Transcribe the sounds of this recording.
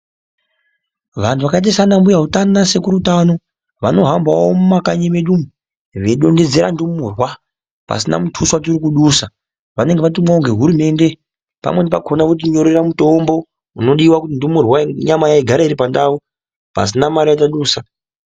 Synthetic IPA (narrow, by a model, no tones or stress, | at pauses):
ʋantʰuʋakait̬isanambujaɦutannase̞kuɾutano̞ | ʋano̞ɦambawomumakaɲemeɗumu | ʋe̞ɗo̞nde̞d͡ze̞ɾa̰ndumurwa | pa̰sina̰mutʰuswat̬iɾikuɗusa | ʋane̞ŋɡeʋat̬umwaoŋɡe̞ɦuɾume̞ːnde̞ | pa̰mwe̞nepakʰonakut̬iɲo̞ɾeramuto̞mbo̞ | uno̞ɗiwakutindumurwaɲamajaiɡʱaɾaiɾipandau | pa̰sinamaɾijat̬aɗuːsa